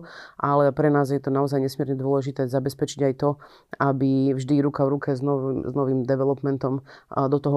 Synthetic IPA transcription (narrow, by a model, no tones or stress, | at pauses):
ʔalɛpɾɛnaːzjɛt̪ɔnaɔzajɲɛsmɪɛɾɲɛd̪ʊɔlɛʒit̪ɛːzabɛspɛt͡ʃiɟajt̪ɔ | abivʒd̪iɾukavɾukʰɛznɔznɔʋiːmd̪ɛʋɛlɔpmɛnt̪ɔmd̪ɔt̪ɔɦɔ